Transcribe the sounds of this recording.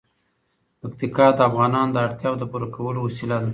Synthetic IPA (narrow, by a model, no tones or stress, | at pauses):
pakt̪ikɑd̪əafɣɑnɑnd̪əaɽt̪jɑwd̪əpuɾakʰawəlowasilad̪a